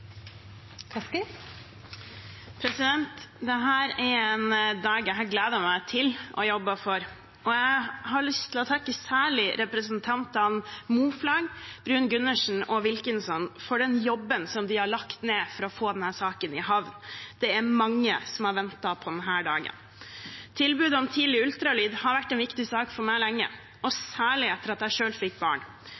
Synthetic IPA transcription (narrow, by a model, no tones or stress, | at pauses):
kʰ | pʰɾɛsɪd̪ɛnt̪d̪ɛɦæːɾɛɾɛnd̪ɑːɡæɦæːɡleːd̪əɾmæɪt̪ʰɪlɔ̰jɔbːəfɔɾ | ɔjæɪhɑɾɭʏst̪ʰɪlɔt̪ʰɑkːəsæːɭɪɾɛpɾəsənt̪ʰɑnt̪ɑnmuːflɑːɡb̥ɾʉːnɡʉnːəʂn̩ɔʋɪlkənsɔnːfɔɖɛnjɔbːənsɔmd̪ɪhɑɭɑkt̪neːfɔɾɔfoːd̪ɛnhæːsɑːkənɪɦɑʋnd̪̥ɛæɾmɑŋːəsɔmhɑɾʋɛnt̪ɑpʰɔd̪ɛnɦæːɖɑːɡə̰n | t̪ʰɪlbʉːd̪əɔmt̪ʰiːlɪʉlt̪ɾɑlyːd̪hɑɾʋæʈːɛnʋɪkt̪ɪsɑːkfɔɾmæɪlɛŋːə̰ | ɔsæːɭɪɛt̪ːəɾɑt̪æɪʂøːlfɪkːbɑ̰ːɳ